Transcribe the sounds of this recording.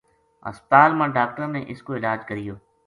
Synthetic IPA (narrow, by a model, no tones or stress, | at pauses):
ɐ̰spət̪aːlmãːɖaːk̚ʈəɾnẽʔɪskoɪlaːd͡ʒkəɾijoː